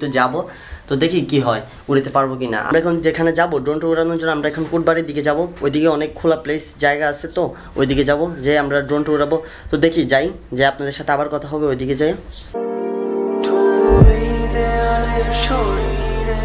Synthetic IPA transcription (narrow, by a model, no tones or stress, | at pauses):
t̪od͡ʑabo | t̪od̪ekʰikiɦɔe | uɾit̪epaɾbok̬ina̰a̰mɾaɛkʰond͡ʑekʰaned͡ʑaboɖɾonʈouɾanoɾd͡ʑonːoamɾaɛkʰonkuʈ̚baɾiɾd̪ik̬ed͡ʑaboojd̪ikeɔnekʰːulaplesd͡ʑaeɡaat͡ɕʰet̪o | o̰jd̪iked͡ʑabod͡ʑeamɾaɖɾonʈouɾabo | t̪od̪ekʰid͡ʑaj | d͡ʑeapnad̪eɾʃat̪ʰeabaɾkɔt̪ʰaɦɔbeojd̪iked͡ʑaj | t̪ʰoɾid͡ʑeaʃoɾ